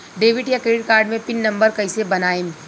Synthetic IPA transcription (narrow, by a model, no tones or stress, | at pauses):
ɖeːʋɪʈjakɾeːɖɪʈkaːɾɖmẽpɪnːɐ̃mbəɾkɐɪsebɐnaːẽ